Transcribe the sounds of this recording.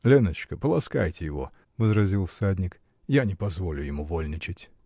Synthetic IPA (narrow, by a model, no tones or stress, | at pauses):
lʲenət͡ɕkəpəlˠɐska̰jtʲɪjɪvo̞̰ | vəzɾɐzʲilˠfsadʲnʲɪk | janʲɪpɐzvo̞lʲʊjɪmuvolʲnʲɪt͡ɕɪtʲ